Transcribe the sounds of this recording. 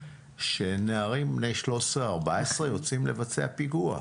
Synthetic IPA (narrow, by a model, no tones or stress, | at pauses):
ʃe̞neaʁimbne̞jʃlo̞sʁeaʁbaesʁejo̞t͡simle̞vat͡se̞̰apiɡua̰